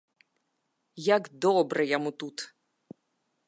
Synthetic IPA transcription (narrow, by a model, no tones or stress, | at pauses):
jakd̪ɔbɾɛjɐmut̪ut̪